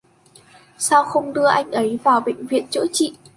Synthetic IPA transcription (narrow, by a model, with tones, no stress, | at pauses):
saː˧wxə˧wŋ͡mɗɨ˧əʔa˧jŋ̟ʔə˨˦jvaː˨˩wɓḛ˧˨ŋ̟vḭ˧˨ənt͡ɕə̰ː˧˥t͡ɕḭ˧˨